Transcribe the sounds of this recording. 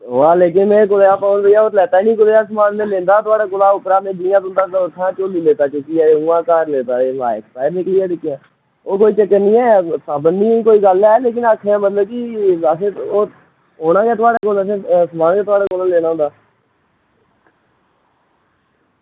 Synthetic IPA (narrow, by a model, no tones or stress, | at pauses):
ʋaːleːk̬ɪnmẽːkʊleaːpãoːnd̪eaːoːt̪lɛːt̪aːinĩːkʊleːaːsəmaːnmẽːlẽːnd̪aːt̪ʊaːɽaːkʊlaːʊpɾaːmẽːd͡ʒiːjãːd̪ʊ̃nd̪aːʊt̪ʰːãːt͡ʃoːliːleːt̪aːt͡ʃʊkiːaːeũːãːkaːɾleːt̪aːeːʋa̰ːkt̪aːenɪkliːaːʈɪkːjãː | oːkoːiːt͡ʃəkːənĩːɛːsaːbənnĩːĩːkoːiːɡəlɛːleːk̬ɪnaːkʰːeãːmət̪ləb̚kiːəseːoː | oːnãːkeːt̪ʊaːɽaːkoləsẽsmaːnkeːt̪ʊaːɽaːkʊlãleːnaːʊ̃nd̪aː